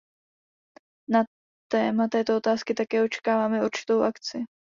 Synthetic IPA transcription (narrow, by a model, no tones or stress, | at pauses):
na | t̪ɛːmat̪ɛːt̪oo̞t̪aːskɪt̪akɛːo̞t͡ʃɛ̥kaːvaːmɛuɾt͡ʃɪ̥t̪o̞wʔakt͡sɪ